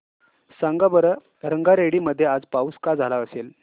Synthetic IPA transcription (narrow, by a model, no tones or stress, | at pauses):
saŋɡabəɾə | ɾəŋɡaɾeɽiməd̪ʱːjead͡zpauːskad͡zʱalaəsel